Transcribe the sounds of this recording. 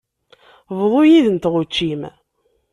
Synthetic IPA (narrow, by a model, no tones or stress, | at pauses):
vðˤojiðənt̪ʁut͡ʃːim